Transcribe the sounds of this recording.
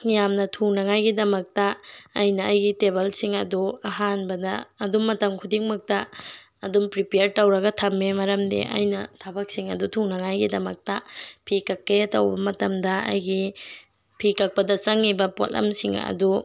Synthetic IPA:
ŋijamnɐtʰuŋnɐŋajɡidɐmɐk̚tɐːjnɐːjɡitebelsiŋɐduɐɦanbɐdɐ̰ːdumːɐtɐmkʰudiŋmɐk̚tɐː | dumpɾipeɾtɐwɾɐɡɐtʰɐmːimɐɾɐmdḛʔɐ̰jnɐtʰɐbɐk̚siŋɐ̰dutʰuŋnɐŋajɡidɐmɐk̚tɐpʰikɐkːejatɐwbɐmɐtɐmdɐɐ̰jɡi | pʰikɐk̚pɐdɐt͡ʃɐŋːibɐpo̰lɐ̰msiŋɐ̰du

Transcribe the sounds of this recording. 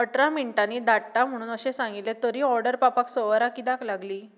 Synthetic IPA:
əʈɾamiɳʈanid̪aʈːam̤əɽ̃uːnəɕesãŋɡit̪let̪əɾiːɔɾɖəɾpapaksəʋəɾakid̪aklaɡliː

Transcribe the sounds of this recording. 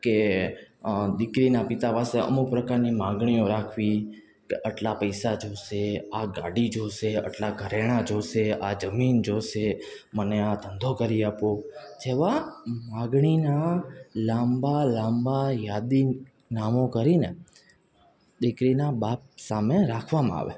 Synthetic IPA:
ke | d̪ɪkɾinapɪt̪apaseə̰muk̚pɾəkaɾnimãɡɳ̃iõɾakʰʋi | keʔəʈlapəjsad͡ʒoseaɡaɽid͡ʒoʃeə̰ʈlaɡʱəɾeɽ̃ad͡ʒoʃead͡ʒəmind͡ʒoʃe | məneat̪ʰənd̪ʱokəɾiapod͡ʒeʋamãɡɽ̃inalãmbalãmbajad̪i | namokəɾine | d̪ɪkɾinabap̚sameɾakʰʋamãa̰ʋḛ

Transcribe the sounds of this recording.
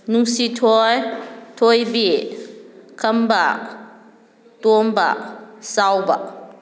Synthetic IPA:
nuŋsitʰojtʰojbi | kʰəmba | tumba̰ʔsawba̰ʔ

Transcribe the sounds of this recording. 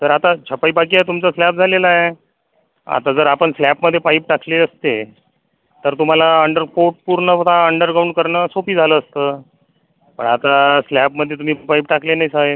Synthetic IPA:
t̪əɾat̪at͡ɕʰəpaibak̬iːat̪umt͡saslæp̚d͡zʱalelae | a̰t̪ad͡zəɾapəɳslæpməd̪ʱːjepaip̚ʈakʰleəst̪e | t̪əɾt̪um̤alaəɳɖəɾfoʈ̚puɾɳət̪aəɳɖəɾkauɳʈ̚kəɾɳəsopiːd͡zʱaləːst̪əː | pə̰ɳat̪aslæpməd̪ʱːjet̪um̤iːpaip̚ʈaklenaɦisaɦe

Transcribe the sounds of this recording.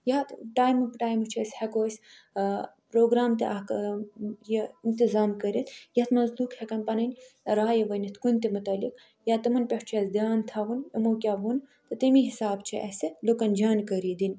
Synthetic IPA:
jat̪ʈaːjmɨpʈaːjmut͡ʃʰɐsʲhɐkoːsʲ | pɾoːɡɾaːmt̪eʔɐk | jeint̪izaːmkɐɾit̪ʰjɐt̪mɐzluːkhekɐnpɐnɐnʲɾaːjeʋɐnit̪ʰkunʲt̪imut̪ɐlik | jaːt̪ɐmɐnpʲeʂt͡ʃʰɐsd̪jaːnt̪ʰaʋunimɐwkʲaːɦunt̪ɨt̪imiɦisaːbt͡ʃʰiʔɐ̰selokɐnd͡ʒaːnkɐɾiːd̪in

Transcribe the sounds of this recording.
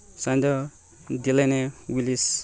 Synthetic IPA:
sãnd̪ʌ | d̪ilajnewilis

